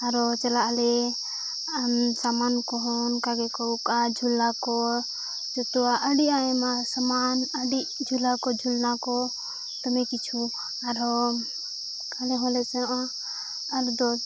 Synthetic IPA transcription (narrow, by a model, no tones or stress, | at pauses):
aɾɔt͡ʃəlaʔlɛ | msamankɔɦɔnkaɡɛkɔɾukad͡ʒʱulakɔ | d͡ʒɔt̪ɔwaʔəɖiaɛmasamanəɖid͡ʒʱulakɔd͡ʒʱulnakɔ | t̪ɔmɛkit͡ʃʰu | aɾɔ | kʰalɛɦɔ̃lɛt͡ʃɛʔaː | ɾd̪ɔ